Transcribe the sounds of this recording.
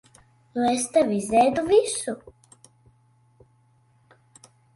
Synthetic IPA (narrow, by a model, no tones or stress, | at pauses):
lɛst̪aʋizɛːd̪uvisu